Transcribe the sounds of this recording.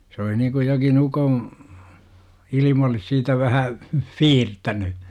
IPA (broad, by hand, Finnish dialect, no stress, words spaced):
sĕ oli nikuj jokin ukom ilim olis siːtæ ʋæhæ fiːrtæny